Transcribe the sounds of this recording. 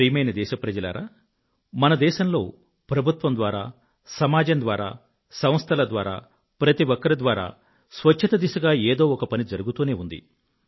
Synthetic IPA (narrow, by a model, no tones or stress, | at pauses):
ijmɐjnɐd̪ɛːʃɐpɾɐd͡ʒɐla̰ːɾaː | mɐnɐd̪ɛːʃɐmlo̞ː | pɾɐbʱut̪ʋɐmd̪ʋaːɾa̰ː | sɐmaːd͡ʒɐmd̪ʋaːɾa̰ː | sɐm̃ɐst̪ʰɐlɐd̪ʋaːɾa̰ː | pɾɐt̪iʋɔkːɐɾɐd̪ʋaːɾa̰ː | sʋɐt͡ʃʰːɐt̪ɐd̪isuɡaːeːd̪o̞ːɔkɐpɐnid͡ʒɐɾuɡut̪uːne̞ːund̪ḭ